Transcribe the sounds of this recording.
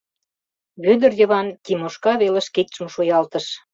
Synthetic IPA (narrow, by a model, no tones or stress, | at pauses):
βød̪ərjə̆βɑnt̪ʲimoʃkɑβelĕʃkek̚t͡sumʃujɑlt̪ə̆ʃ